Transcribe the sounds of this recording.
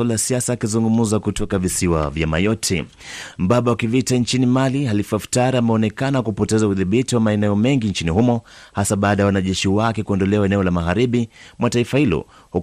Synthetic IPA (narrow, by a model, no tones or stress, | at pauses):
alajasiasaːkizuŋɡumuzakutʰɔkavisiwa̰vjama̰jɔtʰɛ | m̩ɓaɓawakivitant͡ʃinimaliɦalifaftaɾiamɛɔnɛkanakupɔtɛzauðiɓitiwamaɛnɛɔmɛŋɡint͡ʃinihumɔhasaɓaːɗajawanaʄɛʃiwakɛkuɔndɔlɛwaɛnɛɔlamaɣaɾiɓimwataifahilɔ̰ | hu